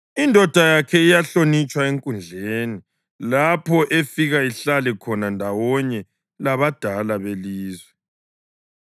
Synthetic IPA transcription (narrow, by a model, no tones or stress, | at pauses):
indʱɔd̥ʱajakʰɛijaɬonit͡ʃʼwaeŋkʼund͡ɮʱeni | lapʰɔʔefiɣaiɬalɛkʰɔnandʱawɔɲɛ | laβad̥ʱalaβeliːzwɛ